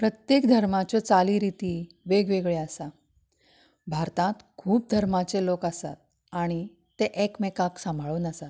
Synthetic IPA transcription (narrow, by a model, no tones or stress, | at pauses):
pɾət̪jekd̪ʱəɾmat͡ɕjat͡saliːɾit̪iː | ʋeɡʋeɡɭeasa | bʱaɾt̪ãt̪kʰuːp̚d̪ʱəɾmat͡selokasa̰t̪̚ | aɽ̃i | t̪eʔekmekaksãmbʱaɭuːnasat̪